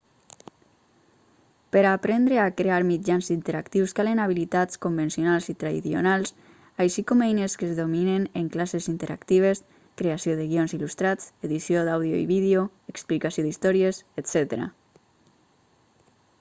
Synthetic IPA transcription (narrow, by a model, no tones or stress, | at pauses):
pəɾapɾɛnd̪ɾeakɾeaɾmid͡ʒanzint̪eɾakt̪iwskalenaβ̞ilit̪at͡skombensionalˠzit̪ɾaðḭθjo̰nalˠs | ajʃikɔmɛjneskəzðomineneŋklasezint̪eɾa̰kt̪iβ̞es | kɾeasioðəɣionzilust̪ɾat͡seðisjoðawðjo̰ḭβiðeo | eksplikasiod̪ist̪ɔɾieset̪sɛt̪eɾa̰